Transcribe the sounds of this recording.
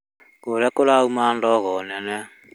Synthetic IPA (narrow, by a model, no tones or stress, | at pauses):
koɾɛkolaumandɔɣɔnɛnɛ